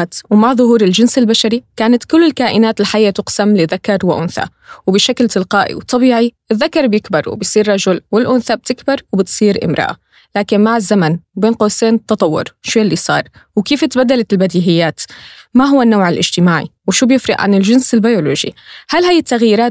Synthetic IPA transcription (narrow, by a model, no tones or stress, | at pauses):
t̪wmaʕðˤʊhuːɾɪld͡ʒɪnsɪlbaʃaɾikaːnat̪kʊlːɪlkaːʔɪnaːt̪ɪlħajːat̪ʊqsamlɪðakɑɾˤwɪʔʊnθa̰ | wbɪʃaklt̪ɪlqɑːʔḭwt̪ʰˤːɑbiːʕiʔɪðːakɑɾˤbjɪkbɑɾˤw̰bɪjsˤiːrˤːɑʒʊlwɪlʔʊnθab̚t̪ɪkbɑɾˤwbɪt̪sˤiːɾʔɪ̰mɾɑ̰ʔa̰ | laːkɪnmaʕɪzːamanbeːnqoːseːnt̪ːɑt̪ˤɑwːʊ̰ɾʃuːlːisˤɑ̰ːɾˤwkiːfɪt̪bad̪ːalalbad̪iːɦɪjːaːt̪maɦʊwːanːowʕɪlʔɪ̰ʒt̪ɪmaːʕḭwʃuːbjɪfɾɑ̰ʔʕa̰nɪlʒɪnsɪlbajoloːʒḭhalhajːɪt̪ːaɣjiɾaːt̪